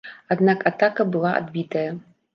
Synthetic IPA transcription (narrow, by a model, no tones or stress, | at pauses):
ad̪nakat̪akɐbɨlˠaʔa̰d̪bʲit̪ɐjɐ